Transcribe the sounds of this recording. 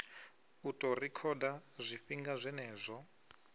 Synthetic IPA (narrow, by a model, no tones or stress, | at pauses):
utʼɔrikʰɔɗazʷiɸiŋɡazʷɛnɛːzʷɔ